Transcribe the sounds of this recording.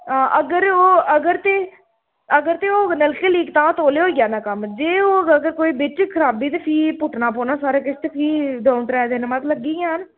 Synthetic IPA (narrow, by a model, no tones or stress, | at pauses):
ãːʔəɡəɾoːəɡəɾt̪eː | əɡəɾt̪eːoːnəlkeːliːkt̪ãːt̪oːleːɦoːiɡjaːnãːkəmd͡ʒeːoːəɡəɾkoːiːbeːʈikʰəɾaːbiːt̪epʰiːpʊʈnaːpoːnaːsaːɾekɪst̪epʰiːd̪oːnʈ̪ɾɛːd̪eːnemaːt̪ləɡiːãːən